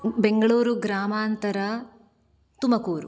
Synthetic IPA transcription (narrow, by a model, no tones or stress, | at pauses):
beŋɡɐɭuːɾuɡɾaːmaːnt̪ɐɾɐ | t̪umɐkuːɾṵ